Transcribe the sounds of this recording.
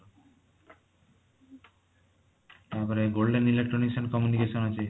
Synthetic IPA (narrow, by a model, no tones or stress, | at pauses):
aɾpɔɾeɡolɖenilekʈɾoniʃɔnkɔmjunikeʃɔnɦat͡ɕʰe